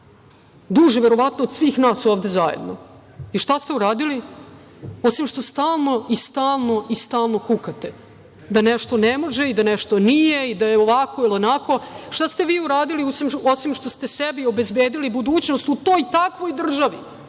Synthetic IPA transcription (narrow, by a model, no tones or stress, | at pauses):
d̪uʒeʋeɾo̞ʋat̪noːd̪sʋiːxnaːso̞ːʋd̪e̞zajḛd̪no̰ | iʃt̪ast̪e̞uɾaːd̪ili | osimʂt̪o̞st̪aːlˠno̞ist̪aːlˠno̞ʔist̪aːlˠno̞kukat̪e | d̪aneʃt̪o̞nemo̞ʒeid̪aneʃt̪onijeid̪ajeoʋako̞ilonako̞ʃt̪ast̪e̞ʋiːuɾaːd̪iliosimosimʂt̪o̞st̪e̞sebio̞bezbeːd̪ilibud̪uːt͡ɕnost̪ut̪o̞ːjt̪akʋo̞jd̪r̩ʒaʋi